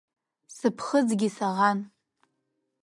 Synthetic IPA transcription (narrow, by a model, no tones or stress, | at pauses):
sɨpʰχəd͡zɡʲisaʁan